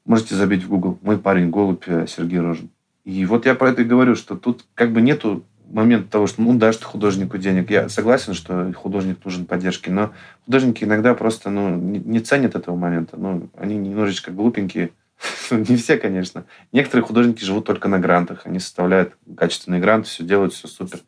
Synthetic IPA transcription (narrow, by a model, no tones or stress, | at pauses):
mo̞ʐɨtʲɪzɐbʲitʲvɡuɡlˠmo̞jpaɾʲɪnʲɡo̞lˠʊpʲəsʲɪrɡʲejɾoʐɨn | ivo̞t̪japɾɐɛt̪əɡəvɐɾʲuʂt̪o̞t̪ut̪kaɡ̚bɨnʲe̞t̪ʊ | mɐmʲe̞nt̪ət̪ːɐvo̞ʂt̪nud̪aɨt̪o̥xʊd̪o̞ʐɨnʲɪkʊdʲenʲɪkja̰sɐɡlˠasʲɪnʂt̪o̞xʊd̪o̞ʐɨnʲɪknuʐɨnpɐdʲːe̞rʂkʲɪno̞xʊd̪o̞ʐnʲɪkʲɪɪnɐɡd̪apɾo̞st̪ənunʲɪnʲɪt̪sɛnʲət̪ɛt̪əvəmɐmʲe̞nt̪ʰənuɐ̰nʲinʲɪmno̞ʐɨt͡ɕkəɡlˠupʲɪnʲkʲɪ | nunʲɪfsʲe̞kɐnʲe̞ʂnə | nʲe̞kə̥t̪əɾɨjəxʊd̪o̞ʐnʲɪkʲɪʐɨvut̪ːo̞lʲkənɐɡɾant̪əxɐnʲisə̥st̪ɐvlʲæjʊt̪kat͡ɕɪst̪vʲɪnɨjəɡɾant̪ɨ̥fsʲɵdʲelˠəjt̪fsʲɵsupʲɪr